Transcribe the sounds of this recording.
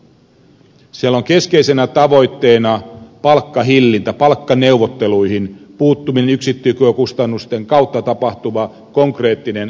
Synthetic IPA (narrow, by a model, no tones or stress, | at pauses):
siælo̞ŋke̞ske̞jse̞næt̪ɑʋo̞jt̪ːe̞ːnɑpɑlkːɑɦilːint̪æpɑlkːɑne̞uʋot̪ːe̞lujɦinpuːt̪ːuminenyksit̪ːykøkust̪ɑnːust̪e̞ŋkɑuwt̪ːɑt̪ɑpɑht̪uʋɑ | ko̞ŋkre̞ːt̪ːinen